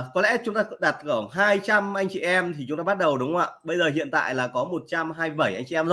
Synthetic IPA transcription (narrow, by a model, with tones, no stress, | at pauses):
kɔ˨˦lɛ̰˧˥t͡ɕʊ˨˦ŋ͡mt̪aː˧kɗa˨˩t̚kəː˧˩ɦaː˧jt͡ɕa˧mʔa˧jŋ̟t͡ɕḭ˧˨ʔɛ˧mt̪ʰi˨˩t͡ɕʊ˨˦ŋ͡mt̪aː˧ɓa˦˥t̚ɗə˨˩wɗʊ˨˦ŋ͡mʔaː˧ɓə˧jzəː˨˩ɦḭ˧˨ənt̪a̰ː˧˨jlaː˨˩kɔ˨˦mo˨˩t̚t͡ɕa˧mɦaː˧jɓə˧˩jʔa˧jŋ̟t͡ɕḭ˧ʔɛ˧mzə˦